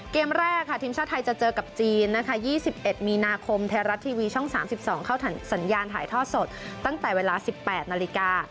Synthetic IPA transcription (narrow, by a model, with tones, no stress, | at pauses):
keː˧mɾɛː˥˩kʰːa˥˩t̪ʰiː˧msaː˥˩t̪ʰːa˧jt͡ɕa˨˩t͡ɕɤː˧ka˨˩p̚t͡ɕiː˧nːa˦˥kʰa˦˥˩jiː˥˩si˨˩p̚ʔe˨˩t̪̚miː˧naː˧kʰo˧mt̪ʰeː˧ɾa˦˥t̪ʰːiː˧wiː˧t͡ɕʰu˥˩ŋsaː˩˦msi˨˩p̚sɔː˩˦ŋkʰa˥˩wʰsa˩˦njaː˧nt̪ʰa̰ː˩˦jt̪ʰɔː˥˩t̪̚so˨˩t̪̚t̪ːa˥˩ŋt̪ɛː˨˩weː˧laː˧si˨˩pːɛː˨˩t̪̚naː˧li˧˥kaː˧